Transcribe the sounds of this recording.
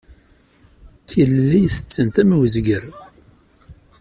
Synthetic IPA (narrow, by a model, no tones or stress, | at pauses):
kilːiθət͡sːənt̪æmwəzɡəɾ